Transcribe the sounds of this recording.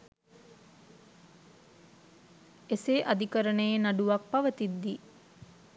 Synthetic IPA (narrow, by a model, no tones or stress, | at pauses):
eseʔad̪ikəɾənəjenaɖuʋak̚paʋət̪id̪ːi